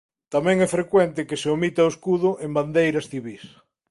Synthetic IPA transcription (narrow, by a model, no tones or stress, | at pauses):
t̪amɛ̃ŋɛfɾekwɛnt̪ɪkɪseomit̪aoeskuðʊʔemband̪ejɾɐsθiβis